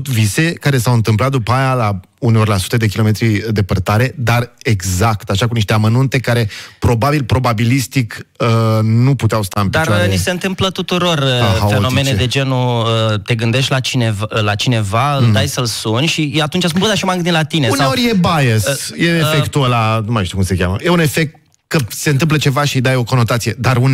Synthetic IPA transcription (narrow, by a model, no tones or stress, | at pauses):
t̪vise̞kaɾe̞sawɨnt̪ɨmplat̪̚d̪upajala | uneorlasu̥t̪ed̪e̞kʲilo̞me̞t̪ɾid̪e̞pərt̪aɾe̞d̪areɡzakt̪aʃakuniʃt̪e̞amənunt̪e̞kaɾe̞pɾo̞babilpɾo̞babilist̪ikənuput̪eawst̪aɨnmpdpiat͡ʃoaenise̞ɨnt̪ɨmplət̪ut̪uɾo̞rəaafeno̞mened̪ed͡ʒe̞nuət̪e̞ɡɨnd̪e̞ʃt̪ʲlat͡ʃinevlat͡ʃine̞vald̪ajsəlsunʲʃiat̪unt͡ʃasumplud̪aʃimajɡɨnd̪inlat̪ineuneo̞ɾʲjebajesjeefekt̪uəlanumajʃt̪iukumse̞kʲa̰mə̰jeune̞fek̚t̪̚ | kəse̞ɨnt̪ɨmplət͡ʃe̞vaʃid̪ajo̞ko̞no̞t̪at̪sije̞d̪aɾun